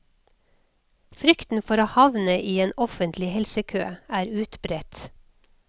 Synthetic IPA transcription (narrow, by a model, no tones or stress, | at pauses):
fɾʏkt̪n̩fɔɾoːhɑʋnəʔiːeːnɔfənt̪ʰlɪhɛlsəkʰø̰ːæːɾʉːt̪bɾɛt̪